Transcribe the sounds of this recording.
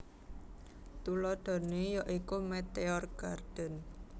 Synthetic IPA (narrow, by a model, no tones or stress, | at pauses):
t̪ulɔd̪̥o̤nejɔʔikumet̪eɔrɡ̥ard̪̥ə̤n